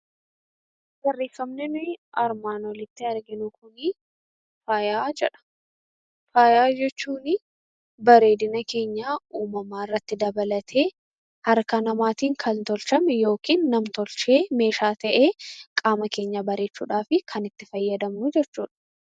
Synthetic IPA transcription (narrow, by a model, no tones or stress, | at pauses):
bɐrːeːfːɐmnɛnʊɐɾmaːnɔlɪt̪ːɪɐɾɡɪnʊkʊnɪ | faːjaːd͡ʒɛᶑɐ̥ | faːjaːd͡ʒɛt͡ʃːuːnɪ | bɐɾe̞ːd̪ɪnɐke̞ːɲːaːuːmɐmaːɪrːɐt̪ːɪd̪ɐbɐlɐt̪ʰeː | hɐɾkɐnɐmaːt̪iːŋkʰɐnt̪ɔlt͡ʃɐmɛjo̞ːkiːnːɐmt̪ɔlt͡ʃe̞ːme̞ːʃaːt̪ɐʔe̞ːkʼaːmɐke̞ːɲːabɐɾe̞ːt͡ʃːṵːᶑaːfɪkʰɐnɪt̪ːɪfɐjːɐd̪ɐmnʊd͡ʒɛt͡ʃːuːᶑɐ̥